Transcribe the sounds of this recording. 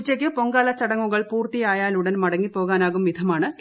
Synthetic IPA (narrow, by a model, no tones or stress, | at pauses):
t͡ɕːɐk̬ʲːɨpo̞ŋɡaːlɐt͡ɕːɐɽɐŋːuɣɐɭpuːrt̪ijaːjaːluɽɐnmɐɽɐŋːipːo̞ːɣaːnaːɣumʋid̪ʰʱɐmaːɳɨ